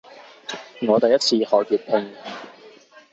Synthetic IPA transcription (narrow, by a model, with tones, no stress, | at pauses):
ŋɔː˨˧t̪ɐ˨jɐ˥t͡sʰiː˧hɔː˨˩kiː˨t̚pʰe˧ŋ